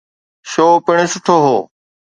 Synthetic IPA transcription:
ʃoːpɪɳ̃esʊʈʰoːɦoː

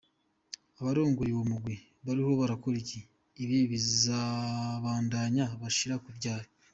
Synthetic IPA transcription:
aβaɾoːŋɡojiβomuɡwi | βaɾiho̞βaɾakoɾiciː | βiβizaβaːndaːɲaβaʃiɾakubɟaːhe

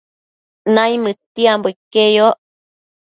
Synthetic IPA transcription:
najmɨt̪iamboikejoʔ

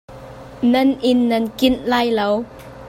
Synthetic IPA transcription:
nɐnʔɪnːɐnkɪnlaːjlow

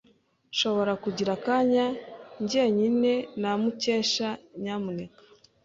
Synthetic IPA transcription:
ʃo̞βo̞ɾakuɟiɾakaːɲaɲɟieɲine̞namuce̞ːʃaɲaːmune̞kḁ

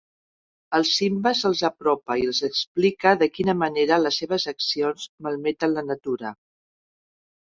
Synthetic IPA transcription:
əlˠsimbəzəlˠzəpɾɔpəilˠzəksplikəðəkinəməneɾələsːeβ̞əzəksionzməlˠmɛt̪ənlənət̪uɾə

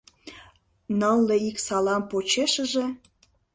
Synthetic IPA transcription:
nəlːeiksɑlɑmpot͡ɕeʃəʒĕ

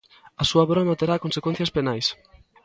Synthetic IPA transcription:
asuaβɾɔmat̪eɾakonsekwen̟θjɐspenajs

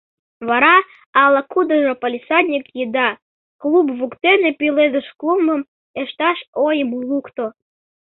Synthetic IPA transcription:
βɑɾɑ | ɑləkud̪ə̆ʒəpəlʲisɑd̪ʲnʲikjid̪ɑ | klubβukt̪enepiled̪əʃkluməm | eʃt̪ɑʃojəmulukt̪o

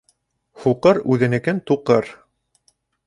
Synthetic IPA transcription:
huqɤɾʉðɘ̆nɘ̆kɘnt̪uqɤɾ

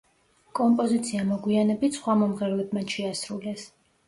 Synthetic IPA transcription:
kʼɔmpʼɔzit̪sʰiamɔɡwianɛbit̪sχwamɔmʁɛɾlɛbmat͡ʃʰɛasɾulɛs

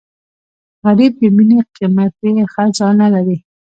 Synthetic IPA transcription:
ɣaɾib̚d̪eminiqimat̪̚exazɑnalaɾi

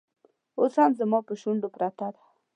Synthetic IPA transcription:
oshamzamɑpəʃuɳɖopɾat̪ad̪ḁ

